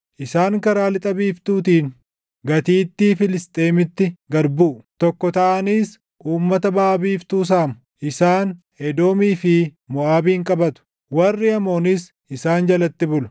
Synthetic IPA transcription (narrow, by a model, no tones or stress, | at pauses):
ʔɪsaːŋkɐɾaːlɪt̪ʼɐbiːft̪uːt̪iːn | ɡɐt̪iːt̪ːiːfɪlɪst̪ʼe̞ːmɪt̪ːɪɡɐɾbuːt̪ɔkːɔt̪ɐʔɐniːs | ʔuːmːɐt̪ɐbaːbiːft̪uːs̬aːmʊ̥ | ʔɪsaːn | hɛd̪o̞ːmiːfɪ | mʊaːbiːŋkʼɐbɐt̪ʊ̥ | wɐrːɪɐmo̞ːnɪs | ʔɪsaːnd͡ʒɐlɐt̪ːɪbʊlɐ̥